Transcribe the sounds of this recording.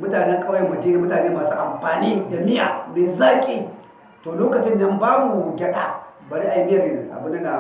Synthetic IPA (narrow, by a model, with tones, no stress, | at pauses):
mʊ˦taː˨nɛ˦ŋkʼa˦wjɐ˨mːɐ˨di˦ni˨mʊ˦taː˨neː˦maː˨sṵː˦ʔa˨mɸaː˨niː˦da˨mɪ˦ja̰ː˨meː˨zaː˦kʲʼiː˦ | toː˨loː˦kɐ˨t͡ʃɪ˦nːɐ˦mbaː˦bu˨ɡʲɐ˦ɗa̰˦ba˨ɾi˦ʔa˨jmɪ˦jɐ˨ɾʔa̰˨bʊ˦nːdɐ˦na˨